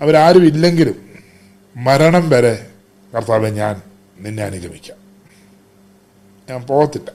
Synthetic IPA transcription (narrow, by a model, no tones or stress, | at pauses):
ɐʋɐɾaːɾumilːe̞ŋɡilumː | ɐɾɐɳɐmpɐɾe | kɐrt̪aːʋeɲaːn | ninːeɐnuɡʱɐmikʲːaːm | ɲaːnpoːt̪ːilːɐ